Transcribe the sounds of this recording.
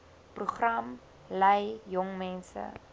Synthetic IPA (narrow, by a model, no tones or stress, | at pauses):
pruχrɐm | lɛjjɔŋmɛnsə̰